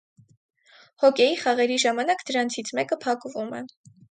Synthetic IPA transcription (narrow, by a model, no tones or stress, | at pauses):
hɔkʲɛjiχɑʁɛɾiʒɑmɑnɑkd̪əɾɑnt͡sʰit͡sʰmɛkəpʰɑkvumɛ̰